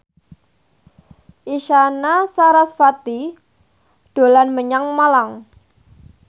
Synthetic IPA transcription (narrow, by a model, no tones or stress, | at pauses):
ʔiʃanasaɾasfat̪i | ɖ̥o̤lanməɲaŋmalaŋ